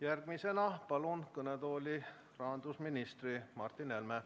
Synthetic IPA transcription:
jærɡ̥mise̞nɑpɑlunkɤnet̪o̞ːlʲi | rɑɦɑnd̪usminist̪ɾrimɑrt̪ːinelme

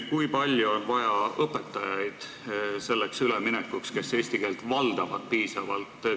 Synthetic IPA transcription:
kujpɑlʲjuonvɑjɑɤpːˑe̞t̪ːˑɑjɑjd̪̥ | se̞lːeksyleminɛkːˑukske̞se̞ːsʲt̪ike̞ːlt̪vɑld̪ɑvɑ̰d̪̥̚piːsɑvɑ̰lt̪ːˑ

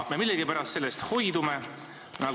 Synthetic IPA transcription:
memilːeɡ̥ipæɾɑst̪se̞lːest̪ho̞jd̪ume | nɑ

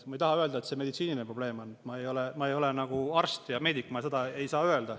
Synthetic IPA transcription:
mɑejt̪ɑɦɑø̞ld̪̥ɑet̪se̞me̞d̪it̪siːninepro̞b̥le̞ːmo̞nːmɑejo̞lemɑejo̞lenɑɡ̥uɑrst̪jɑme̞ːd̪ikːmɑse̞d̪̥ɑe̞jsɑːøe̞ld̪ɑ

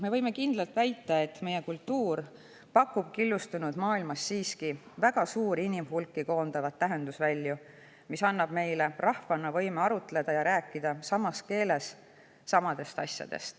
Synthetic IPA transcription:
me̞vɤjme̞kind̪̥lɑlt̪ˑvæjt̪ˑːɑe̞t̪ːme̞jekult̪ːuːr | pɑkːˑub̥kilːust̪unud̪̥mɑːilmɑsːiːski | væɡ̥ɑsuːɾinimhulkːˑiko̞ːnd̪̥ɑvɑt̪ːæɦe̞nd̪usvælʲːju | misɑnːɑb̥me̞jle̞rʔɑhvɑnːɑvɤ̞jmeɑɾut̪ːˑle̞d̪̥ɑjɑɾæːkˑːid̪̥ɑsɑmɑske̞ːle̞sː | ɑmɑd̪̥e̞st̪ɑsʲjɑ̰d̪̥e̞̰st̪

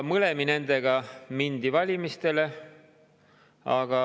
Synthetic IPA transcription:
mɤle̞mine̞nd̪e̞ɡ̥ɑmind̪̥ivɑlʲimist̪e̞le̞ | ɑɡ̥ɑ

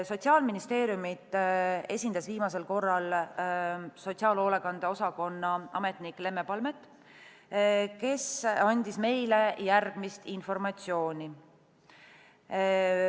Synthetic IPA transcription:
so̞t̪siɑːlminist̪e̞ːɾjumit̪ˑe̞sʲind̪̥ɑsviːmɑse̞lko̞rːɑl | so̞tʲsiɑːlo̞ːlekɑnd̪̥eo̞sɑko̞nːɑʔɑ̰me̞t̪ˑnikle̞mːe̞pɑlme̞t̪ːˑ | ke̞sɑnʲd̪̥isme̞jle̞jærɡ̥mist̪info̞rmɑt̪ʲsio̞ːnʲi

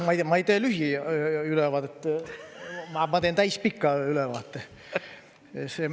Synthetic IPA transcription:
mɑjmɑejt̪eːlyɦiylɛvɑːd̪et̪ː | mɑmɑt̪eːnt̪æjspikːɑylɛʋɑːt̪ːe | se

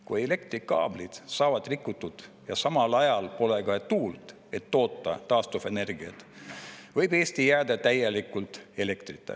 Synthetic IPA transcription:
kujele̞kt̪ɾikɑ̰ːb̥lid̪̥sɑːvɑd̪̥rikːut̪ːud̪̥ | jɑsɑmɑlɑjɑlpo̞leɡ̥ɑt̪uːlt̪ | e̞t̪ːo̞ːt̪ːˑɑ̰t̪ɑːst̪ufe̞ne̞rɡiɑ̰t̪ | vɤjbe̞ːst̪ijæːd̪ɑt̪æjelikːˑult̪e̞le̞kt̪rit̪ːˑḛ

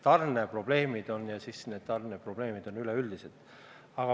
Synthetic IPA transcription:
t̪ɑrnepro̞b̥le̞ːmid̪̥o̞njɑsisne̞ːd̪̥t̪ɑrnepro̞b̥le̞ːmid̪̥o̞nyleyld̪̥ise̞d̪̥ | ɑɡ̥ɑ

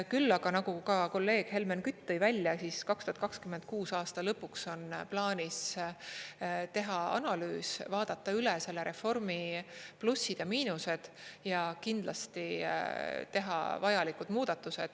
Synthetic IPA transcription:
kylːɑɡ̥ɑnɑɡ̥ukɑko̞lːe̞ːɡ̥he̞lmenkyt̪ːɤjvælʲjɑsiskɑkst̪uɑt̪kɑkskymend̪̥̚kuːsɑːst̪ɑlɤpːukso̞nplɑːnʲis | t̪e̞ɦɑɑ̰nɑlyːsvɑːd̪̥ɑt̪ːˑɑylɛse̞lːeɾe̞fo̞rmiplusːid̪̥jɑmiːnuse̞d̪̥jɑkind̪lɑst̪i | t̪e̞ɦɑ̰vɑjɑlikud̪̥muːd̪̥ɑt̪ːˑuse̞d̪̥

